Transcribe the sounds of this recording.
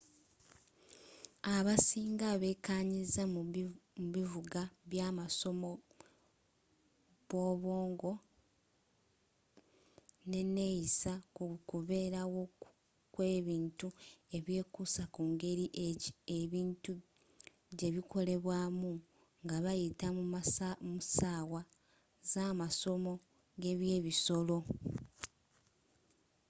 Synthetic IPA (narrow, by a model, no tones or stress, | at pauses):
aβasiːŋɡaβe̞kaɲizammuβivuɡaβjaːmaso̞mo̞ | βo̞βo̞ːŋɡo̞ | ne̞ne̞jisakuβe̞ːɾawo̞ | kwe̞ːβiːntue̞βje̞ːkusakuːŋɡe̞ɾiʔeeβiːntu | ɟe̞βikʰo̞le̞βwaːmu | ŋɡaβajitamumusaːwa | zaːmaso̞mo̞ | ɡe̞βje̞ːβiso̞lo̞